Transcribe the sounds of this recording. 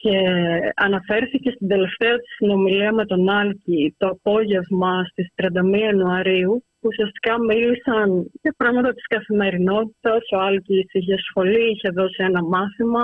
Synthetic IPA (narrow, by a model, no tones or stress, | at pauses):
ce̞ɐnɐfe̞ɾθice̞st̪ind̪e̞le̞ft̪e̞ɐt̪i̥sino̞miliɐme̞t̪o̞nɐlcit̪o̞ɐpo̞ʝe̞vmɐst̪ist̪ɾiɐnd̪ɐmiɐenuɐɾiu | usiɐst̪i̥kɐmilisɐntepɾɐɣmɐt̪ɐt̪i̥skɐθime̞ɾino̞t̪it̪ɐsoɐlcisiçeɐsxo̞liiçeðo̞sie̞nɐmɐθimɐ